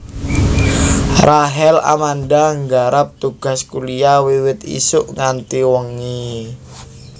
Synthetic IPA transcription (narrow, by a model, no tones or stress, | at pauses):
raɦɛla̰mandaŋɡaɾap̚t̪uɡ̥a̤skuliawiwɪt̪ḭsʊʔŋant̪iwəŋi